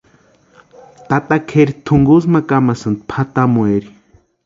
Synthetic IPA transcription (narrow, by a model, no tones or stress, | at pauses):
t̪at̪akʰeɾit̪ʰuŋɡus̬makamasɨnd̪̚pʰat̪amueɾi